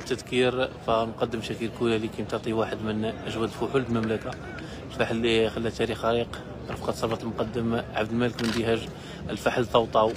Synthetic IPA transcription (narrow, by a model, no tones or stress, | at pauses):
t̪ːəd̪kiɾfænqɑd̪ːəmʃækilkulælikimt̪ɑʕt̪ˤiwaħəd̪mənʔæʒwæd̪lfʊħullmæmlæka | faħlːixælːæt̪æɾixɑɾiq | ɾˤɑfqɑt̪sˤɑbɑt̪ˤəlmʊqɑd̪ːəmʕabd̪əlmæləkmənd̪ihæʒ | əlfaħlt̪ˤːɑwt̪ˤɑw